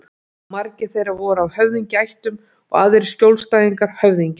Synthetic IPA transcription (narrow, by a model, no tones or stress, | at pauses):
maɾcɪθejɾavɔːɾawhœvðiɲcɪajht̪ʏm | ɔ̰ɣaːðɪɾɪ̥scowlst̪aːjðiŋkaɾ̥hœvðiɲcɪ